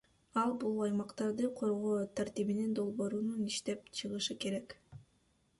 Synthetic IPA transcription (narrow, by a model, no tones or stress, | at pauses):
ɑlˠbulˠɑjmɑqt̪ɑɾd̪ɯqʰo̞ɾʁo̞ːt̪ʰaɾt̪iβinind̪o̞lˠβo̞ːɾununiʃt̪e̞pt͡ʃʰɯʁɯʃɯke̞ɾe̞k